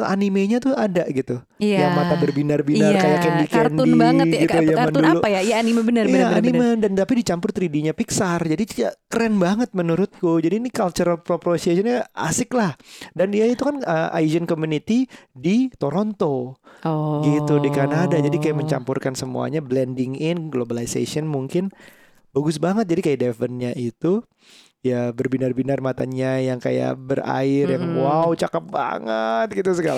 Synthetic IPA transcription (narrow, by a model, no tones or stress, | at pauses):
animeɲat̪ʊadaʔɡit̪u | jamat̪abərbinarbinarkajakɛndikɛndʊinbaəɡiujaməndunluajajaanimebənəjaanimədant̪apidit͡ʃampʊrt̪ɾidiɲapiksard͡ʒadiakəɾɛnbaŋət̪̚mənuɾʊt̪̚kʊd͡ʒadiːnikalt͡ʃəɾalpɾopɾosiesɔnɲaa̰sɪklahdandiait̪ukanəʔa̰jd͡ʒənkomunit̪idit̪oɾont̪o | ɡit̪udikanadad͡ʒadikajaʔməɲt͡ʃampʊrkansəmṵa̰ɲablɛndɪŋɪnɡlobalisa̰siɔnmuŋkɪn | baɡʊsbaŋət̪̚d͡ʒadikajadɛfənɲaʔit̪u | jabərbinarbinarmat̪a̰ɲajaŋka̰ja̰ʔbəra̰ɪrjaŋwaut͡ʃakap̚ba̰ŋə̰t̪̚ɡit̪usəɡal